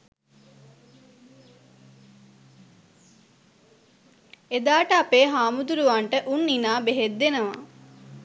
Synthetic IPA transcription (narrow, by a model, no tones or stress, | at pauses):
ed̪aːʈəapeːɦaːmud̪uɾuʋaɳʈəʔunːinaːbeɦed̪ːenəʋa̰